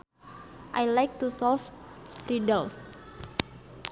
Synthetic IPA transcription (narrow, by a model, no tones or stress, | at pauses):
ʔajlajk̚t̪usɔlfsɾidəls